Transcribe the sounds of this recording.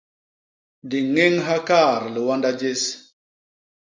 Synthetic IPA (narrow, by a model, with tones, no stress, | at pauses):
di˨ŋe˦ŋɦa˦ka˦˨ɾlə˨wa˦nda˦d͡ʒe˦s